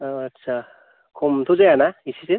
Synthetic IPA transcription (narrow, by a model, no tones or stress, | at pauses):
tːsʰa | kʰomt̪ʰuzajanaisize